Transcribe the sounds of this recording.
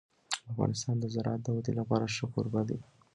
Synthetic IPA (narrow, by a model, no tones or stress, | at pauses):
afɣɑ̰nɪst̪ɑnd̪əzaɾɑ̰ɑt̪̚d̪əwad̪elapɑɾaʃəkuɾbad̪i